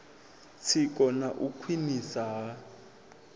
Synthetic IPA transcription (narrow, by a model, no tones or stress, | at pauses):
t͡sʰɪkʼɔnaʔukʰwinisaɦa